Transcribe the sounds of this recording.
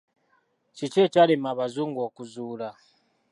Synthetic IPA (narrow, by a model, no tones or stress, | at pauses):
cit͡ʃet͡ʃalimaβazuːŋɡokuzuːla